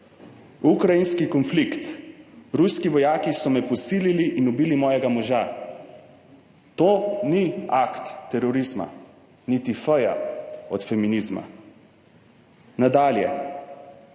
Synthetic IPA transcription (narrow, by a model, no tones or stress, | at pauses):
ukɾajinskikɔnflikt̪ɾuskiʋɔjaːkisɔmɛpɔsiːliliʔinubiːlimɔːjɛɡamɔʒa | t̪oːniakt̪ːɛɾɔɾizma̰ | nit̪ifəja̰ɔt̪fɛminizma̰ | nad̪aːljɛ̰